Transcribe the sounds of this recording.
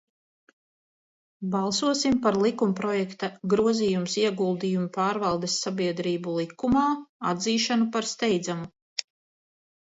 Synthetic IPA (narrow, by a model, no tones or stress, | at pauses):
bɑlˠsuɔsimpaɾlˠikumpɾɔjɛkt̪aɡɾuɔziːjumsiɛɡulˠd̪ijumupaːɾvɑlˠd̪esːabiɛd̪ɾiːbulˠikumaːad̪ziːʃanupaɾst̪ɛjd̪zamu